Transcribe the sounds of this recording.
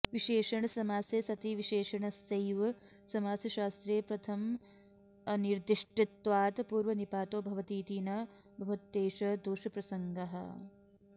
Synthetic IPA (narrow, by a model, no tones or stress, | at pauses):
ʋiʃeːʂɐɳɐsɐmaːsjeːsɐt̪iʋiʃeːʂɐɳɐsɐjʋɐ | sɐmaːsjɐʃaːst̪ɾeːpɾɐt̪ʰɐm | niɾd̪iʂʈit̪ʋaːt̪puːɾʋɐnipaːt̪oːbʱɐʋɐt̪iːt̪iːnɐː | bʱɐʋɐt̪ːeːʂɐd̪oːʂɐpɾɐsɐŋɡɐɦɐ̰